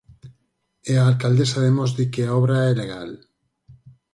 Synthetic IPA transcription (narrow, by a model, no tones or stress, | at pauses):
eaːlkald̪esaðemozðikeaɔβɾaɛleɣal